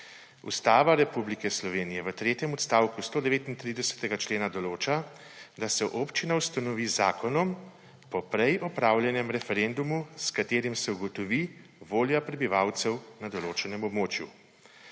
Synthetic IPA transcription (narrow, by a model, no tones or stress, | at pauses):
ṵst̪aːʋaɾɛpublikɛslɔʋeːnijɛʋət̪ɾeːt̪jɛmɔt̪st̪aːwkust̪oːd̪ɛʋeːt̪int̪ɾiːd̪ɛsɛ̥t̪ɛɡat͡ʃleːnad̪ɔloːt͡ʃa | d̪asɛʔoːpt͡ʃinawst̪anɔʋizaːkɔnɔm | pɔpɾɛjʔɔpɾaːwljɛnjɛmɾɛfɛɾend̪umuskat̪eːɾimsɛuɡɔt̪ɔʋi | ʋoːljapɾɛbiʋawt̪sɛwnad̪ɔloːt͡ʃɛnɛmɔbmoːt͡ʃju